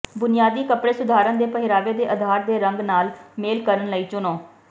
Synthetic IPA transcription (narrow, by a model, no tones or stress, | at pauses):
bʊnɪjaːd̪iːkəpɽeːsʊd̪ʱaːɾãːd̪eːpəɦɪɾaːʋeːd̪eːʔəd̪ʱaːɾd̪eːɾə̃ŋɡnaːlmeːlkəɾənləiːt͡ʃʊnõː